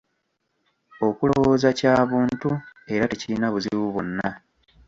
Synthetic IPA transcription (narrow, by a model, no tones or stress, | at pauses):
o̞kulowo̞zacaːβuːntue̞ɾate̞ciɾinaβuzḭβuβonːa